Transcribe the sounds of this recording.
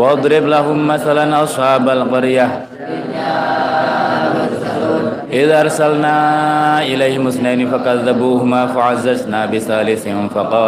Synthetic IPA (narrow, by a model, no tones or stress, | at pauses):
wɑɑd̪ˤɾɪblaɦʊmːaθalanʔɑsˤħɑːbalqʊɾja | ʔɪðaʔɑɾˤsalnaːʔɪlajhɪmʊsnaːnfakaðːabuːhʊmaːfaʕazːaznaːbɪsaːlɪθɪnfɑqɑːl